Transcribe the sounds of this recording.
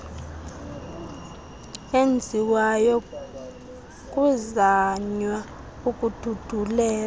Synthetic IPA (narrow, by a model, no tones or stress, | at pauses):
end͡zʱiwajɔ | kʼuzaɲwa | ukʼud̥ʱud̥ʱulɛː